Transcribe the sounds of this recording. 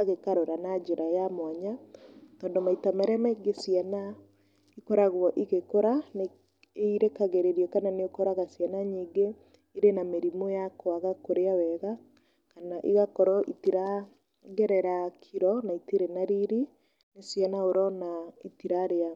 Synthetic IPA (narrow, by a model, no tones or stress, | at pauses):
aɣekaɾoɾanad͡ʒeɾajamwaɲatɔːndomaitamɛɾɛmaiɡesiana | ikoɾaɣwɔʔiɣekoɾane | eiɾekaɣeɾeɾiɔkananeokoɾaɣasiɛnaɲiːɡe | iɾenameɾimojakwaɣakoɾeawɛɣa | kanaʔiɣakɔɾɔʔitiɾa | ɣɛɾɛɾakʰiɾɔnaitiɾenaɾiɾi | nesjanaoɾɔnaitiɾaɾea